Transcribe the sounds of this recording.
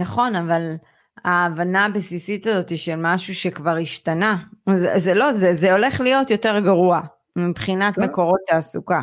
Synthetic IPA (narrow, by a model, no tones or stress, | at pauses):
naχo̞naval | aːvanaːbesisit̪azo̞tiʃelmaʃuʃe̞kvaʁiʃtanazzelo̞zezeo̞le̞χlijo̞tjo̞te̞ʁɡaʁua | mipχinatme̞ko̞ʁo̞taːsuka